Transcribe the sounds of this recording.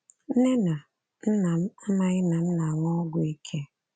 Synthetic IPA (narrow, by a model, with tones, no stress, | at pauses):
n̩˦ne˦na˨˦ | na˨˦m̩˦ma˦ɪ˦na˨n̩˦na˨ŋɔ˦ɡʊ˨i˦kʰe˦